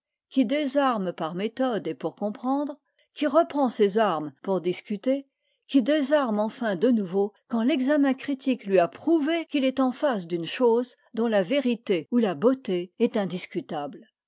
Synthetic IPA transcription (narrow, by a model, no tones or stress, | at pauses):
kʲid̪ezaʁmpaʁmet̪ɔd̪epuʁkɔ̃pχɑ̃d̪ʁ | kʲiʁəpχɑ̃sezaʁmpuʁd̪iskʲyt̪e | kʲid̪ezaʁmɑ̃fɛ̃d̪ənuvokɑ̃lɛɡzamɛ̃kχit̪ʰiklɥiapχuvekʲilɛt̪ɑ̃fas̬d̪ynʃoz | d̪ɔ̃laveʁit̪eulabot̪eɛt̪ɛ̃d̪iskʲyt̪abl